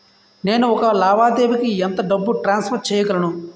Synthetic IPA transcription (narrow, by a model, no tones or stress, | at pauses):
ne̞ːnuɔkɐlaːʋaːd̪eːbikiɛnt̪ɐɖɐbːuʈɾaːnspʰɐɾ̚t͡ʃɛːjɐɡɐlɐnu